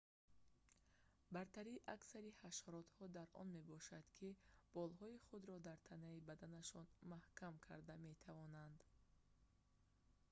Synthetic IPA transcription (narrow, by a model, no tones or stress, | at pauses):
baɾt̪ʰaɾiʔaksaɾihaʃɔɾɔt̪hɔd̪aɾʔɔ̰nme̞bɔʃad̪̥kʰib̥ɔlɦɔiχud̪ɾɔd̪aɾt̪ʰanaibad̪anaʃɔnmahkamkʰa̰ɾd̪ame̞t̪ʰavɔnand̪